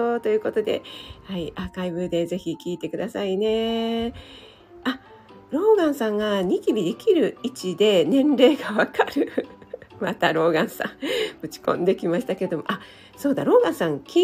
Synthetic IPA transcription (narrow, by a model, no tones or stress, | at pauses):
ot̪o̞jɯ̟ːko̞t̪o̞d̪e̞̰haiʔakaibɯ̟d̪e̞ze̞çikʲiːt̪e̞kɯ̟d̪asaine̞ | a | ɾo̞ːɡãɰ̃sãŋɡaɲ̟ikʲibʲid̪e̞kʲiɾɯ̟it͡ɕid̪e̞nẽ̞nɾe̞ːɡaβakʰaɾɯ̟ | mat̪aɾo̞ːɡãɰ̃sã̰ŋɸɯ̟t͡ɕi̥kõnd̪e̞kʲimaɕi̥t̪ake̞ɾed̪o̞mo̞̰ʔa | so̞ːd̪aɾo̞ːɡãɰ̃sãŋkʲi